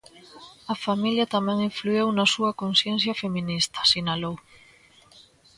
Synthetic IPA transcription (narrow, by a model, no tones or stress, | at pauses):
ɐfamiljɐt̪amɛ̃ŋiɱfluewnɐsuɐkonsjen̟θjɐfemĩnist̪ɐ̥sinalow